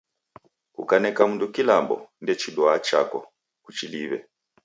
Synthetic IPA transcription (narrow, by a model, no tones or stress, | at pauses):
kukanɛkamundukilambɔ̰ndɛt͡ʃidwat͡ʃa̰kɔ̰ | kut͡ʃiliβɛ̰